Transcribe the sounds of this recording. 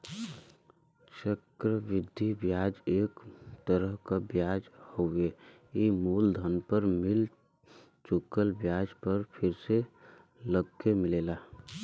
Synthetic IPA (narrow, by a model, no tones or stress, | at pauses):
t͡ʃəkɾəʋɪd̪ʱːibjaːd͡ʒeːkt̪əɾəɦkabjaːd͡ʒhoe | imuːld̪ʱənpəɾmɪl | t͡ʃʊkːəlbjaːd͡ʒpəɾpʰɪɾse | ləɡkːemɪleːlaː